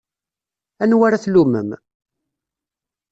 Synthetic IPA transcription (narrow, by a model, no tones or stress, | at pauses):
ænwaɾaθlumə̰m